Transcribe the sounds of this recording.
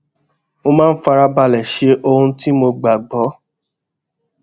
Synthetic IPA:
mo˧mãː˦n̩˦fa˧ɾa˧ba˧˨lɛ˨ʃe˧˦ʔo˧hũ˧ti˦mo˧ɡ͡ba˨ɡ͡bɔ˨˦

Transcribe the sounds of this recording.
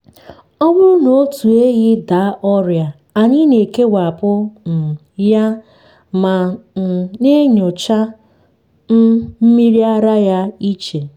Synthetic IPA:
ɔ˦wʊ˦no˨o˦tu˨e˦ɣɪ˦da˨˦ʔɔ˦ɾja˨ | a˨ɲi˦ne˨ke˦wʷa˨a˨pʊ˦n̩˨ | ja˦ | ma˨ | ne˦ɲʊ˨t͡ʃa˦ | n̩˦m̩˦mi˦ɾi˦a˦ɾa˦ja˦i˦t͡ʃe˨

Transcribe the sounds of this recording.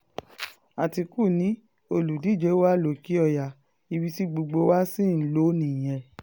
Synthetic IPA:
a˨ti˧ku˦˨nĩ˨˦ | o˧lu˨di˨˦˨d͡ʒɛ˨˦wa˦lo˨ki˨˦ɔ˧˨ja˨ | i˧wi˧ti˦ɡ͡bo˧ɡ͡bo˧˦wa˦sĩ˦˨n̩˦lo˨˦nĩ˨j̃ɛ̃˧˨

